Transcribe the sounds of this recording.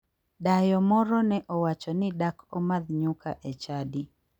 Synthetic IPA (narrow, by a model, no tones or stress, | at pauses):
dajɔmɔɾɔnɛʔɔwat͡ʃɔnɪdakʰɔmad̪ɲuka̰ʔɛt͡ʃadi